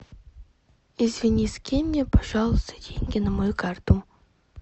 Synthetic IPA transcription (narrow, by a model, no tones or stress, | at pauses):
izvʲɪnʲisʲkʲemʲnʲepɐʐɑlˠʊst̪ədʲeŋʲɡʲɪnɐmɐjukart̪u